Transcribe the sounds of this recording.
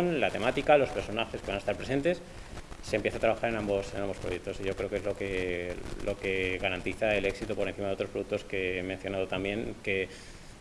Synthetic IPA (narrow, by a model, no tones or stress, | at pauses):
nlat̪e̞mat̪ikalo̞spe̞ɾsonaxeske̞βanest̪aɾpɾe̞se̞nt̪e̞s | se̞mpje̞θat̪ɾaβaxaɾe̞nãmbosenãmbo̞spɾoje̞k̚t̪o̞siʝo̞kɾe̞okeezlokelʔoke̞ɣaɾant̪iθae̞le̞ksit̪upoɾenθimaðot̪ɾospɾoðuk̚t̪o̞ske̞menθjo̞nað̞ot̪ambje̞ŋke̞